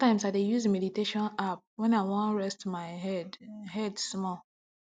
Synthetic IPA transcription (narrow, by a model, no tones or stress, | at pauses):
tãɪ̃msaɪdejuzemɛditeʃɔ̃nap̚wɛ̃naɪwɔ̃ɹɛstmaɪɦɛdɦɛdsmɔl